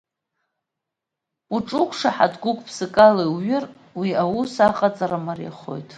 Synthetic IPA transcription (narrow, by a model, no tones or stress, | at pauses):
uʈ͡ʂʼʊkʷʰʂaħadɡʷʊkʷʼpʰsɨkʼaloɥɪr | wiawusaqʼat͡sʼaɾamarja̰χo̞̰jtʼ